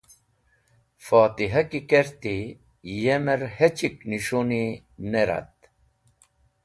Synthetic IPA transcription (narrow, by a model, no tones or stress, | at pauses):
faːt̪iɦɐkikeɾt̪i | jemeɾhet͡ɕikniɕoni | neɾɐ̰t̪̚